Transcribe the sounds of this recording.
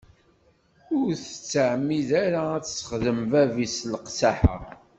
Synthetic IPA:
ʊɾθə̥t͡sːəʕmːiðaɾaæt͡sːsə̥χðəmvævislqsaħə̰

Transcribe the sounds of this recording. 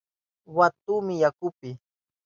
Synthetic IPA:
wat̪uːmɪjakʊpɪ

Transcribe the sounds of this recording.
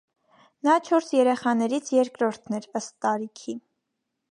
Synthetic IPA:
nɑt͡ʃʰɔɾsjɛɾɛχɑnɛɾit͡sʰjɛɾkɾɔɾt̪ʰnɛɾəst̪ːɑɾikʰi

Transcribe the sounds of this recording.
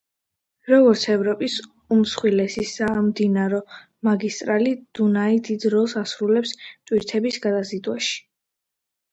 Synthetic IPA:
ɾɔɡɔɾt̪sʰɛvɾɔpʼis | umsχwilɛsisamd̪inaɾɔ | maɡist̪ʼɾalid̪̥unaid̪id̪ɾɔlˠsasɾulɛpst̪ʼwiɾt̪ʰɛbisɡad̪azid̪waʃi̥

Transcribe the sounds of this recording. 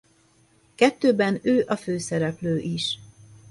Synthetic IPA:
kɛt̪ːøːbɛnøːʔɒføːsɛɾɛpløːʔiʃ

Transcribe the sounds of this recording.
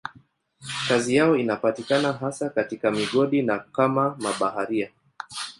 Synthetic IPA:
kazijaɔinapatikanaɦasakatikamiɠɔɗinakamamaɓahaɾia

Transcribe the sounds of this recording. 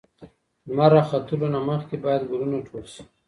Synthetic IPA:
zmaɾaxat̪ulonaməxkebajad̪ɡʊlunaʈʰolʃi̥

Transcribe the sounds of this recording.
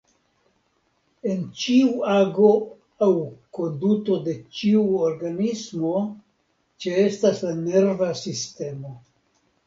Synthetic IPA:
e̞nt͡ʃiuaɡo̞ | awko̞nduto̞de̞t͡ʃiuoɾɡanismo̞ | t͡ʃeestaslane̞ɾvasiste̞mo̞

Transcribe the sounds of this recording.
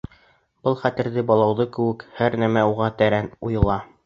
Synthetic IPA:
b̥ɤlˠχæt̪ɘ̆ɾðɘbɑlˠɑwðɤkɘ̆wɘ̆khæɾnæmæuʁɑt̪æɾænujɤ̆lˠɑ

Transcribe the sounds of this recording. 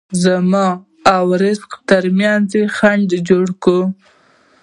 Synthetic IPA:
zamɑ | awɾɪzqt̪əɾmjɑnzexaɳɖd͡ʒoɽku

